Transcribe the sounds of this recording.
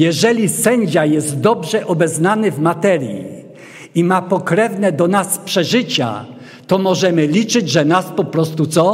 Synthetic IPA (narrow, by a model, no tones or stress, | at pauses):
jɛʐɛlʲisɛɲd͡ʑajɛst̪d̪ɔbʐɛʔɔbɛznanɘvmat̪ɛɾjḭ | imapɔkɾɛvnɛd̪ɔnaspʂɛʐɘt͡ɕa̰ | t̪ɔmɔʐɛmɘlʲit͡ʂɘd͡ʑʐɛnaspɔpɾɔst̪ut̪sɔ